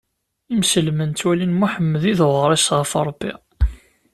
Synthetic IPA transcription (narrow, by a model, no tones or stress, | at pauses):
imsəlmənt̪ːwælinmuħəmːəðiðəʁəɾˤisʁəfoɾˤobːḭ